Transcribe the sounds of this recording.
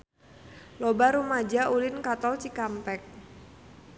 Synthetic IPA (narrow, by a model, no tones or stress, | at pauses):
lɔbaɾumad͡ʒaulɪnkat̪ɔlt͡ʃikampɛk̚